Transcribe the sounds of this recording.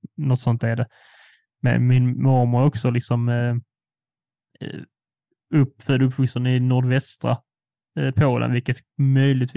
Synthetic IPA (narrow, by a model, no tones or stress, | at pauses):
nɔt̪ːsɔnt̪æɖɛ | mɛ̰nmɪnmɑɾməɾɔksɔlɪksɔm | ɵpːfœld̪ɵpːfɵksənɪnʊɖvɛst̪ɾa̰ | pʰoːlə̰nvɪlkət̪mœjlɪɡt̪